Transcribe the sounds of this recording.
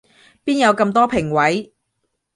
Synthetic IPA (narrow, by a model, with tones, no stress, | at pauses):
piː˥njɐ˨˧wkɐ˧mt̪ɔː˥pʰɪ˨˩ŋwɐ˨˥j